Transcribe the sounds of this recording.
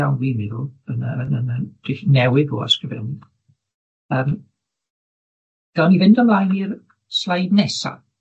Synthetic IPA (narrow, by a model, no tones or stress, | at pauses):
awnviniðuənə̰ənənəd̥ɪɬnɛwɪɡɔa̰skrəvɛ̰lˠni | əːm | ɡ̥anivɪndɔmlˠajnir | slˠajdnɛsa̰